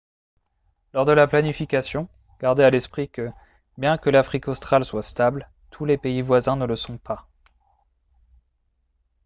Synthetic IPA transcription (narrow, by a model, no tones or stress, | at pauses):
lɔʁd̪əlaplanifikasjɔ̃ | ɡ̥aʁd̪ealɛspχikə | bjɛ̃kəlafχikɔst̪χalswast̪abl | t̪ʰulepeivwazɛ̃nələsɔ̃pʰa